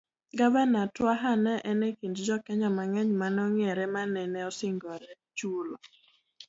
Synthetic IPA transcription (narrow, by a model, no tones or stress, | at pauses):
ɡabɛnatwaɦanɛʔɛnɛkindd͡ʒɔkɛɲɔmaŋɛɲmanɔŋɛɾɛmanɛnɛɔsɪŋɡɔɾɛ | t͡ʃulɔ